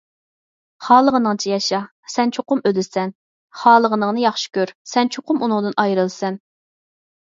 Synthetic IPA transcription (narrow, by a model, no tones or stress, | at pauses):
χɑːlˠəʁənɨŋt͡ʃʰijɑʃɑ | sɛnt͡ʃʰoqʊmød̪ɪsɛn | χɑːlˠəʁənɨŋnɨjɑχʃi̥kʲøɾsɛnt͡ʃʰoqʊmunʊŋd̪ɨnʔɑjɾɨlˠɨsɛn